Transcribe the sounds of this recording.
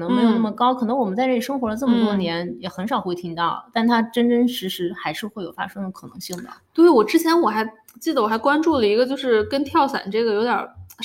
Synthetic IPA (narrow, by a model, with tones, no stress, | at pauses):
n˧˥ŋ˧em˧˥jo˨˩nə˥˩mə˩kɑ˥ʊkʰɤ˨˩nɤ˧˥ŋwɔ˨˩mə˦nt͡sa˥˧˥ʂɤ˥ŋxwɔ˧˥d̪ə˧ʈ͡ʂɤ˥˩mə˩t̪wɔ˥njɛ˧˥njɛ˨˩xə˧˥nʂɑ˨˩ʊxwe˥˩ɪt̪ʰi˥ŋt̪ɑ˥˩ʊt̪a˥˩nt̪ʰa˥ʈ͡ʂə˥nʈ͡ʂə˥nʂɻ̩˧˥ʂɻ̩˧˥xa˧˥ɪʂɻ̩˥˧xwe˥˩ɪjo˨˩ʊfa̰˥ʂɤ˥ŋd̪ə˨˩kʰɤ˨˩nɤ̰˧˥ŋɕi˥˩ŋd̪ə̰˩t̪we˥˩ɪwɔ˨˩ʈ͡ʂɻ̩˥t͡ɕʰjɛ˧˥nwɔ˨˩xa˧˥ɪ | t͡ɕi˥˩d̪əwɔ˨˩xa˧˥ɪkwa˥nʈ͡ʂu˥˩lə˩i˧˥ɡə˧t͡ɕjo˥˧ʊʂɻ̩˥˩kə˥nt̪ʰjɑ˥˩ʊsa̰˨˩nʈ͡ʂɤ˥˩ɡə˩jo˧˥ʊt̪jɐ̰˨˩